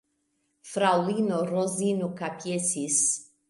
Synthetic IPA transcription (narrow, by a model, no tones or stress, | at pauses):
fɾawlinɔɾɔzinukapjɛsis